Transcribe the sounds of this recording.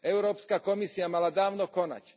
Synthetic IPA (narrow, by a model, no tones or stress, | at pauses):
ɛʊɾɔːpskakɔmisiamalad̪aːʊnɔkɔna̰c